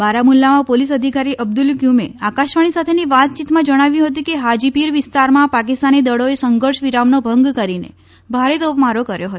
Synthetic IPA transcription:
baɾamulːamãpolisəd̪ʱikaɾiʔəb̚d̪ulkjumḛakaʃʋaɽ̃isat̪ʰeniʋat̪̚t͡ʃit̪mãd͡ʒəɽ̃aʋjũɦət̪̬ũkeɦad͡ʒipiɾʋist̪aɾmãpak̬ist̪anid̪əɽoesəŋɡəɾʃʋiɾamnobʱəŋɡkəɾinḛ | bʱaɾet̪opmaɾokəɾjoɦət̪o

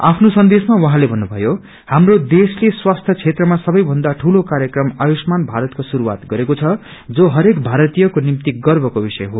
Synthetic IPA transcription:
a̰pʰnosʌnd̪esmawʌɦãlebʱʌnːubʱʌ̰jo | hamrod̪esleswast̪ʰjʌt͡sʰet̪rʌmasʌbʌjbʱʌnd̪aʈʰulokaɾjʌkrʌmajosmanbʱaɾʌt̪kosuɾuwa̰t̪ɡʌɾekot͡sʰʌd͡zoɦʌɾekbʱaɾʌt̪ijʌkonimt̪iɡʌrbʱʌkobisʌjɦo

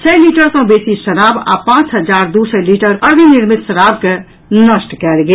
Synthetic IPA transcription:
t͡ʃʰɛːliːʈəɾsõbeːsiʃənaːba̰ːpãːt͡ʃɦɐd͡ʒaːɾd̪uːsəliːʈəɾəɾbinɪɾmɪt̪ʃəɾaːb̚ke | nəsʈkɛːɾɡe

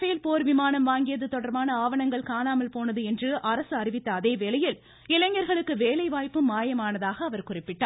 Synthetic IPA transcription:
feːlpoːɾʋɪmaːnɐmʋaːŋɡɪjɐðɯt̪ːɔɽɐɾmaːnɐaːʋɐɳɐŋɡɐɭkaːnaːmɐlpoːnɐðɯɛndrɯʔɐɾɐsɯɐrɪʋɪt̪ːɐːðeːʋeːɭɐjɪl | ɪlɐɲːɐɾɣɐɭɯkːɯʋeːlɐɪʋaːjpːɯmaːjɐmaːnɐðaːɣɐːʋɐɾkʊrɪpːɪʈːaː

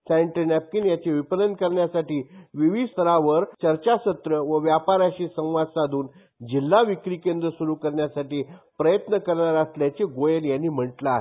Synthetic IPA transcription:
saɳʈənæp̚kinjat͡ɕeʋipələnkəɾɳjasaʈiːʋiʋid̪st̪ʰəɾaʋəɾt͡ɕəɾt͡ɕaɕət̪ɾəʋəʋjapaɾaɕisə̃w̃ʋad̪sad̪ʱuːn | d͡ʑilːaʋikɾiːkẽnd̪ɾəsuɾukəɾɳjasaʈiːpɾəjət̪nəkəɾɳaɾasljat͡ɕeɡojənjanːiːm̤əɳʈlaaɦe

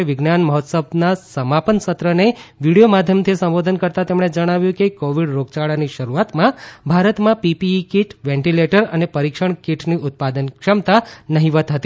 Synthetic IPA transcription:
eʋɪɡnanməɦɔt̪səb̚nasəmapənsət̪ɾəneʋiɽijomad̪ʱjəmt̪ʰisə̃mʋod̪ʱənkəɾt̪at̪emɳ̃ed͡ʒəɽ̃aʋjũkekoʋiɽɾoɡ̚t͡ʃaɭaniʃəɾuat̪mãbʱaɾət̪mãpipiːkiʈʋẽɳʈileʈəɾənepəɾikʃəɳ̃kiʈʰniʔʊt̪̚pad̪ənkʃəmt̪anəɦiʋət̪ɦət̪i

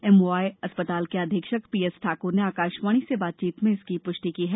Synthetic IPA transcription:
ɛmoːaːjɐspət̪aːlkeɐd̪ʱɪkʃəkpiːɛsʈʰaːkʊɾneaːkaːʃmaːɽ̃isebaːt̪̚t͡ʃiːt̪mẽɪskipʊʃʈikiɦɛː

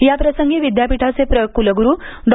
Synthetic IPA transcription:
japɾəsəŋɡeʋid̪japiʈʰat͡sepɾəjokːuləɡuɾuːɖ

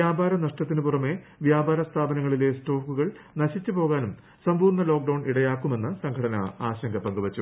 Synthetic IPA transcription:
jaːbaːɾɐnɐʂʈɐt̪̬ːinɨpurɐme̞ | ʋjaːbaːɾɐst̪ʰaːbɐnɐŋːɐɭile̞sʈo̞ːkːuɣɐɭnɐɕit͡ɕːupo̞ːɣaːnum | sɐmbuːrnɐlo̞ːk̚ɖɐwɳiɽɐjaːkːume̞nːɨsɐŋkʰɐɽɐnɐaːɕɐŋɡʰʱɐpɐŋɡuʋɐt͡ɕːu

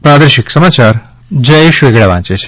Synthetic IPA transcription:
pɾad̪əɾʃiksəmat͡ʃaɾ | d͡ʒəjeʃʋeɡɭaʋã̰t͡ʃet͡ʃʰe̥

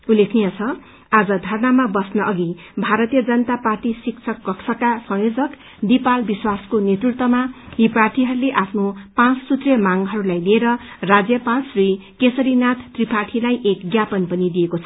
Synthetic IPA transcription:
ulːekʰnijʌt͡sʰʌ | ad͡zʌd̪ʱʌɾnamabʌsnʌʔʌɡi | bʱaɾʌt̪ijʌd͡zʌnʌt̪aparʈisikt͡sʰʌkːʌksʰʌkasʌŋjod͡zʌk | nd̪ipalbiswaskonet̪rukt̪ʌmaɦiprarʈʰiɦʌɾuleʔapʰnopãt͡ssut̪rijʌmaŋɦʌɾulajlieɾʌrad͡zjʌpãt͡srikesʌɾinat̪ʰːripaʈʰilajʔekɡjapʌnpʌnid̪iekot͡sʰʌ

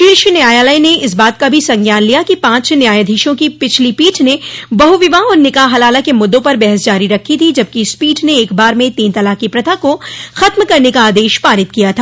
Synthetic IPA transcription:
ʃiːɾʃinɪjaːjaːlaineɪsbaːt̪̚kabʱisɐ̃ŋɡjaːnlijakipãːt͡ʃnjaːjad̪ʱiːʃõkipɪt͡ʃʰlipiːʈʰnebɐɦuʋɪʋaɔːɾnɪkaːɦɐlaːlakemʊd̪ːõpɐɾbɛɦɛsd͡ʒaːɾiɾɐkʰːit̪ʰid͡ʒɐb̚kispiːʈʰneːkbaːɾmẽt̪iːnt̪ɐlaːkipɾɐt̪ʰakoxɐt̪mkɐɾnekaaːd̪eːʃpaːɾɪt̪̚kijat̪ʰaː

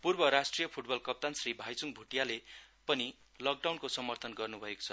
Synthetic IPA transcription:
purbʌɾasʈrijʌpʰuʈbʌlkʌp̚t̪ansribʱajt͡suŋbʱuʈjalepʌni | lʌk̚ɖawnkosʌmʌrt̪ʰʌnɡʌrnubʱʌeko̥t͡sʰʌ

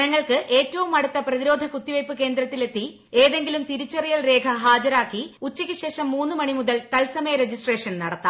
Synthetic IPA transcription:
nɐŋːɐɭkɨʔe̞ːtːɐʋumɐɽut̪ːɐprɐðiɾo̞ːd̪ʱɐkut̪ːiʋɐjpːɨke̞ːnd̪ɾɐt̪ːile̞t̪ːi | e̞ːðe̞ŋɡilumt̪iɾut͡ɕːɐrijɐlre̞ːkʰɐɦaːd͡ʑɐɾaːkːiut͡ɕːikʲːɨɕe̞ːʂɐmːuːnːɨmɐɳimuðɐlk̪ɐlsɐmɐjɐɾe̞d͡ʑisʈre̞ːʂɐnnɐɽɐt̪ːa̰ː

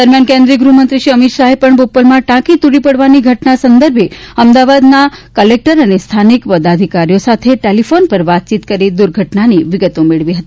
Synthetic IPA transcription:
d̪əɾmjankẽnd̪ɾiəɡɾumənt̪ɾiʃiəmit̪ʃaɦepəɳbopəlmãʈãkit̪uɽipəɽʋaniɡʱəʈnasənd̪əɾbʱeəmd̪aʋad̪nakəlek̚ʈəɾənest̪ʰanikpəd̪ad̪ʱikaɾijosat̪ʰeʈelifonpəɾʋat̪̚t͡ʃit̪kəɾid̪uɾɡʱəʈnaniʋɪɡət̪omeɭʋiɦət̪i

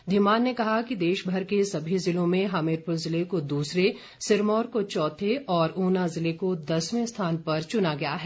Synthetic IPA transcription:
d̪ʱɪmaːnːekɐɦakid̪eːʃbʱɐɾkesɐbʱizɪlõmẽɦaːmɪɾpʊlzɪlekod̪uːsɾe | sɪɾmɔːɾkot͡ʃɔːt̪ʰeʔɔːɾuːnazɪlekod̪ɐsmẽst̪ʰaːnpɐɾt͡ʃʊnaɡɐjaɦɛː

